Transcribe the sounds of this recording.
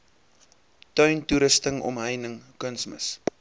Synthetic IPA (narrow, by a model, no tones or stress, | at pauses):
tœɥntuɾəstəŋɔ̰mɦəjnəŋkənsmə̰s